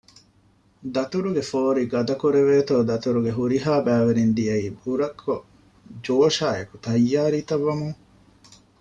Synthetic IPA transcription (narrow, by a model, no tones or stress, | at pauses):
d̪ɐt̪uɾuɡefoːɾiɡɐd̪ɐkuɾeʋeːt̪oːd̪ɐt̪uɾuɡeɦuɾiɦaːbæːʋɐɾind̪iɐiːbuɾɐkʰːo | d͡ʒoːʃaːeku̥t̪ɐjːaːɾiːt̪ɐʋːɐmuŋ